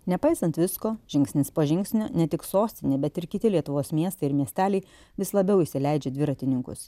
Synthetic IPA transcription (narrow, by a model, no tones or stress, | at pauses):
nʲɛpɐɪsɐnt̪ʋʲɪskoːʒʲɪŋʲksʲnʲɪspoːʒʲɪŋʲksʲnʲoːnʲɛt̪ʲɪksoːsʲt̪ʲɪnʲebʲɛt̪ɪɾkʲɪt̪ʲɪlʲiɛt̪ʊʋoːsmʲiɛst̪ɐɪɪɾmʲiɛsʲt̪ʲæːlʲɛɪ | ʋʲɪslˠɐbʲɛʊisʲɪlʲɛɪd͡ʒʲɛd̪ʲʋʲɪɾɐt̪ʲɪnʲɪŋkʊ̰s